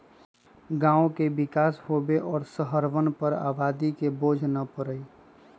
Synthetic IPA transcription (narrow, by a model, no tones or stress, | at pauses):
ɡãːõkebɪkaːsɦobeʔɔːɾsəɦəɾʋənpəɾa̰ːbaːd̪ikeboːd͡ʒʱnəpəɾəi